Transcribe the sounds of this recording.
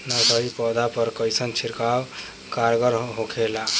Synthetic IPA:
nəd̪əɾipɔd̪apəɾkəjsənt͡ʃʰiɾkaw | kaɾɡəɾɦokʰela

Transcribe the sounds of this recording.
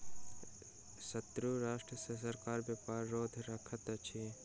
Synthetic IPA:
sɐt̪ɾuɾaːʃʈɾəsəsɐɾkaːɾbjɐpaːɾːoːd̪ʱɾɐkʰət̪t͡ʃʰe

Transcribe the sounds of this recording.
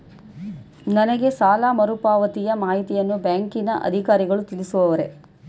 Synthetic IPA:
nɐnɐɡe̞saːlaːmɐɾupaːʋɐt̪ijɐmaːɦit̪ijɐnːubjaːŋkinɐʔɐ̰d̪ʱikaːɾiɡɐɭut̪ilisuʋɐʋɐɾe̞

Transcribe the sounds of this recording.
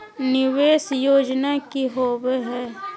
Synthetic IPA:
nɪʋeːsjoːd͡ʒnakiɦoːbeɦɛː

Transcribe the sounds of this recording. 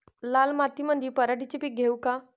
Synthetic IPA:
lalmat̪iməd̪iːpəɾaɖit͡ɕepiɡʱewka

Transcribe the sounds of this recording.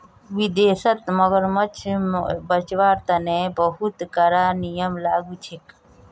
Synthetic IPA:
ʋid̪eːsət̪məɡəɾmət͡ʃʰbət͡ʃʋaːɾt̪ɐneːbəɦut̪kəɾaːnijəmlaːɡut͡ʃʰek

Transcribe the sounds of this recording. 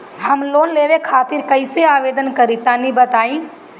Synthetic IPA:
hɐmloːnleːʋekʰaːt̪ɪɾkɐɪseaːʋeːd̪ənkɐɾit̪anibət̪aːĩː

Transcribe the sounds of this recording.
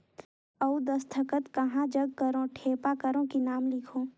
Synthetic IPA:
ɐud̪ɐst̪ʰəkət̪kɐɦãd͡ʒəɡ̚kəɾõʈʰeːpakəɾõkinaːmlɪkʰoː

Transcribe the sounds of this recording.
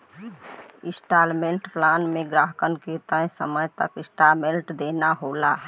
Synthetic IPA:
ɪ̃sʈaːlmẽːɳʈplaːnmẽɡɾaːɦkənket̪ə̃səməjt̪ə̰kɪsʈaːlmẽɳʈd̪eːnaɦoːla

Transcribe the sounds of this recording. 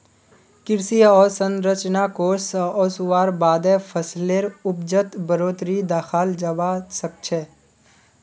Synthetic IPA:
kɪɾsiɔːɾsə̃nɾət͡ʃnakoːɾsɔːsʊwaːɾbaːd̪ɛ̃pʰəsleɾʊpd͡ʒət̪bəɾoːt̪ɾid̪aːxʰaːld͡ʒəbasək̚t͡ʃʰɛː

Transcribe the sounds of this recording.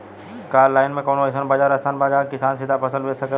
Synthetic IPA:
kaːlaːɪnmẽkoːnoɪsənbad͡ʒaːɾəsaːnbaːd͡ʒaːkɪsaːnsɪd̪ʱapʰɐsə̃lʋesək

